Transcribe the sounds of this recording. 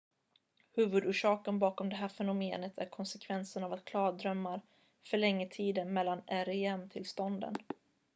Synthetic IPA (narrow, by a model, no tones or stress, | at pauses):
hʉ̟ːvɵd̪uːʂɑːkənbɑːkɔmd̪ɛɦæːɾfɛnʊmeːnət̪ʰæ̰ɾkʰɔnsɛkʰvɛnsənavat̪̚kʰlɑːd̪ɾœmːaɾ | fœɭɛŋːət̪ʰiːd̪ənmɛlːanæɾɪɛmt̪ʰɪlst̪ɔnd̪ə̰n